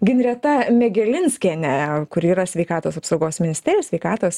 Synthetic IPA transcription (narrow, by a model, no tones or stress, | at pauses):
ɡʲɪnʲɾʲɛt̪ɐmʲɛɡʲɛlʲɪnʲsʲkʲɛːnʲɛkʊɾiːɾɐsʲʋʲɛɪkɑːt̪oːsɐpsɒʊɡoːsmʲɪnʲɪsʲt̪ʲɛːɾʲjosʲʋʲɛɪkɑːt̪oːs